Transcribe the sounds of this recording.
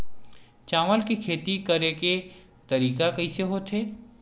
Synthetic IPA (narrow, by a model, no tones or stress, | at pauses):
t͡ʃaːməlkekʰeːt̪ikəɾeke | t̪ɐɾiːkakɐiseɦoːt̪ʰɦeː